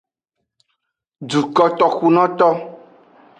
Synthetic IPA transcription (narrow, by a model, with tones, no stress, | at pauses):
ɖu˨kɔ˦t̪ɔ˨xu˦nɔ̃˦t̪ɔ˦